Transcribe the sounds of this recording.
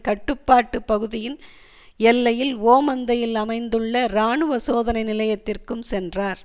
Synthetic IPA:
kɐʈːɯpːaːʈːɯpːɐɣɯðɪjɪn | ɛlːɐjɪloːmɐnd̪ɐjɪlɐmɐɪnd̪ɯɭːɐɾaːɳɯʋɐsoːðɐnɐɪnɪlɐjɐt̪ːɪrkɯmsɛndraːɾ

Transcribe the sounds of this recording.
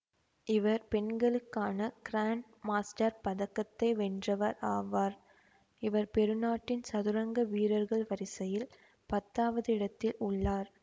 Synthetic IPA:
ɪʋɐɾpɛnɡɐɭɯkːaːnɐkɪɾaːɳ | maːsʈɐɾpɐðɐkːɐt̪ːɐɪʋɛndrɐʋɐɾaːʋaːɾ | ɪʋɐɾpɛɾɯnaːʈːɪnsɐðɯɾɐŋɡɐʋiːɾɐɾɣɐɭʋɐɾɪsɐjɪl | pɐt̪ːaːʋɐðɯɪɽɐt̪ːɪlʊɭːaːɾ

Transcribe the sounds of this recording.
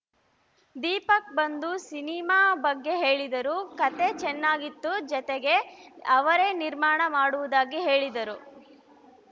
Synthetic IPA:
d̪iːpɐk̚bɐnd̪usinimaːbɐɡːe̞ɦe̞ːɭid̪ɐɾukɐt̪e̞t͡ʃɛnːaːɡit̪ːud͡ʒɔt̪eɡe̞ɐʋɐɾeniɾmaːɳɐmaːɽuʋud̪aːɡiɦe̞ːɭid̪ɐɾu

